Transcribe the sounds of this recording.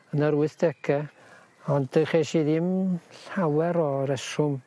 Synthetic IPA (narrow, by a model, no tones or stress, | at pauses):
ənəɾwɪθd̥ɛkʰɛ | ɔndəχeʃiðɪmɬawɛɾɔɾɛʃʊm